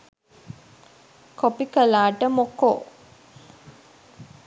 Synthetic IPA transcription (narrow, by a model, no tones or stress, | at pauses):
kopikəlaːʈəmoko